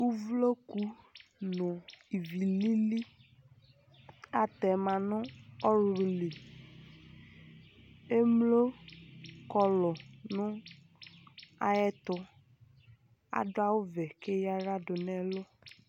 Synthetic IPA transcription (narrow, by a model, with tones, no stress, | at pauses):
u˦vlo˦ku˦ | nʊ̃˨i˨vi˨li˦li˦ | a˨t̪ɛ˨mã˨nʊ̃˦ɔ˦ɾʊ˨li˨ | e˦mlo˦ | kɔ˦lɔ˨nʊ̃˦ | a̰˨jɛ˦t̪ʊ˨ | a̰˨dʊ˦a˦wʊ˦vɛ˨ke˦ja˦ɾa˦dʊ˨nɛ˦lʊ˦